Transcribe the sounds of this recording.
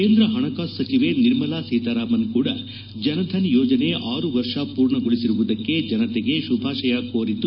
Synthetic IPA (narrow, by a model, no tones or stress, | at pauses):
keːnd̪ɾɐɦɐɳɐkaːɐt͡ʃiʋe̞niɾmɐlaːsiːt̪aːɾaːmɐnkuːɽɐ̰ | d͡ʒɐnɐd̪ʱɐnjoːd͡ʒɐne̞ʔaːɾuʋɐɾʂɐpuːɾɳɐɡoɭisiɾuʋud̪ɐkːe̞d͡ʒɐnɐt̪eɡe̞ʃubʱaːʂɐjɐkoːɾit̪u